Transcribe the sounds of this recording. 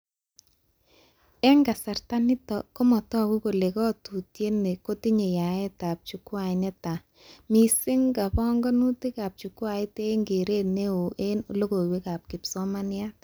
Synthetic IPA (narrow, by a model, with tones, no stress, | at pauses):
ɛ˦ŋɡa˨sa˨rta˦nɪ˦tɔ˨kɔ˦mɔ˨tɔ˦˨ku˦ko˨le˨kɔ˦tu˨tje˦ne˨ko˦tɪ˦ɲe˨ja˨ɛ˦ta˨p̚t͡ʃu˨kwa˨ɪ˨nɛ˦ta˨ | mi˨sɪ˦ŋɡa˨pɔ˦ŋɡɔ˦nu˦tɪ˦ka˨p̚t͡ʃu˨kwa˨ɪ˦te˦ŋɡe˨ɾe˦˨ne˦o˨ʔelo˦ɡo˨we˦ka˨p̚kɪ˨psɔ˦ma˦nja˦t̚